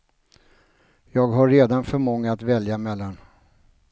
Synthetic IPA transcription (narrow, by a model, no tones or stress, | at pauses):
jɑːɡɦaɾːeːd̪anfœɾmɔŋːaat̪vɛljamɛlːan